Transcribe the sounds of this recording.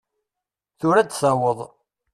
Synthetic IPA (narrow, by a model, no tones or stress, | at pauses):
θʊɾæd̪sæwəðˤ